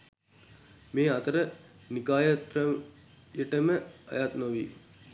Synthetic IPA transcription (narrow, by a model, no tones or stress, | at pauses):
meːat̪əɾənikaːjət̪ɾə | jəʈəməa̰jat̪noʋi